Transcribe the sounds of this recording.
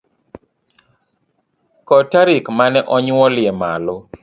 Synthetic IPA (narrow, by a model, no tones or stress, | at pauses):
kɔtaɾikmanɛʔɔɲɔlɪɛma̰lo